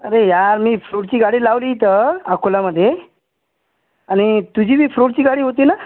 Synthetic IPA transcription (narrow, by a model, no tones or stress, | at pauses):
əɾejaɾmiːfɾoʈ̚t͡ɕiːɡaɽiːlaʋliːt̪̬əakolaməd̪ʱːje | aɽ̃it̪ud͡ʑʱiːbʱiːfɾoʈ̚t͡ɕiːɡaɽiːɦot̪̬ina